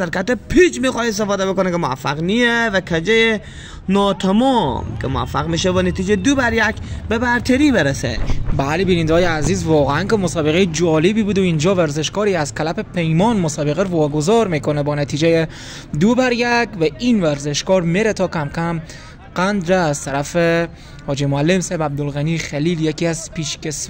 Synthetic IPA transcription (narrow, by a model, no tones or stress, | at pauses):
d̪æɾkæt̪ːepʰit͡ʃmiːxɒːjes̬t̪efɒːd̪ebekonɛkemoæ̰fːæɣnievækʰæd͡ʒeje | nɒːt̪ʰæmɔːmkʰemoæ̰fːæɣmiːʃebɒnet̪ʰiːd͡ʒejd̪obæɾjækbebæɾt̪ʰæɾiːbeɾesḛbælibiːniːnd̪ɒːjeæziːzvɒːɣeænkemosɒːbeɣejed͡ʒɒːlebiːbuːd̪oind͡ʒɒːvæɾzeʃkɒːɾiæz̥kʰælæpepʰejmɒːnmosɒːbeɣeɾvɒːɡozɒːɾmiːkonebɒːnæt̪ʰiːd͡ʒeje | d̪obæɾjækvæiːnvæɾzeʃkɒːɾmeɾet̪ʰɒːkʰæmkʰæm | ɢ̥ænd̪ɾeːz̥t̪ʰæɾæfe | hɒːd͡ʒemoælːemsɛbæb̚d̪olɣænixæliːljekʰiːæzpiːʃkʲes